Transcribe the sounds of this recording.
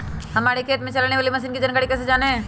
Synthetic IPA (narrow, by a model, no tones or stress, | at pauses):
ɦɐmaːɾikʰeːt̪mẽt͡ʃɐlaːneʋaːlimɐsiːnkid͡ʒɐnɡaːɽikɛːs̬ed͡ʒaːneɦɛ̃ː